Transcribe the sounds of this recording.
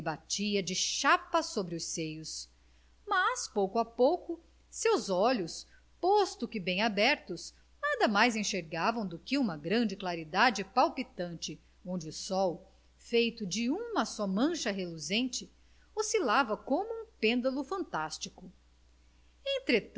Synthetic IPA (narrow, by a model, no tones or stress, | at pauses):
bat͡ʃiɐd͡ʒɪʃapɐsobɾɪʊsejʊs | mɐspowkʊapowkʊ | sewzɔʎʊs | pɔst̪ʊkɪbẽj̃abɛɾt̪ʊs | nad̪ɐmajzẽʃeɾɡavɐ̃w̃d̪ʊkɪũmɐɡɾɐ̃nd͡ʒɪklaɾid̪ad͡ʒɪpawpit̪ɐ̃nt͡ʃɪ | õnd͡ʒɪʊsɔw | fejt̪ʊd͡ʒɪũmɐsɔmɐ̃ʃɐɦeluzẽnt͡ʃɪ | osilavɐkõmʊũpẽnd̪ɐlʊfɐ̃nt̪ast͡ʃikʊ | ẽt̪ɾe